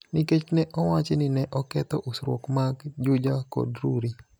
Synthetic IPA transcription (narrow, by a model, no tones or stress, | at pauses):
niket͡ʃnɛʔɔwat͡ʃenɪnɛʔɔkɛt̪ɔʔʊsɾwo̰kmaɡd͡ʒʊd͡ʒakɔ̰dɾuɾi